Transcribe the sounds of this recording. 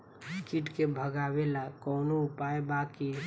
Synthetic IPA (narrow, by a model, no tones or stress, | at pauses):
kiʈkebʱəɡawelakɔːnoʊpaebaki